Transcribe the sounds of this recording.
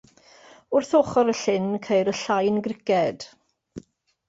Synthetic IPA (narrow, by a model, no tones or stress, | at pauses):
ʊrθoːχɔɾəɬɪnkʰejɾəɬajnɡrɪkɛd̥